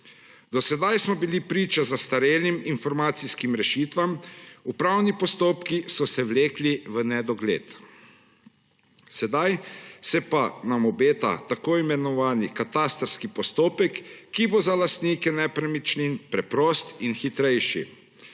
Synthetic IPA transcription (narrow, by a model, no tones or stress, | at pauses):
d̪ɔsɛd̪ajsmɔbilipɾiːt͡ʃazast̪aɾeliminfɔɾmaːt̪siskimɾɛʃiːt̪ʋamupɾawnipɔst̪oːpkisɔsɛwleːkliʋənɛd̪ɔɡlḛːt̪ | sɛd̪ajsɛpanamɔbeːt̪a̰t̪akoːimɛnɔʋaːnikat̪aːst̪ɾskipɔst̪oːpɛkːibozalast̪niːkɛnɛpɾamit͡ʃninpɾɛpɾoːst̪inxit̪ɾɛjʃḭ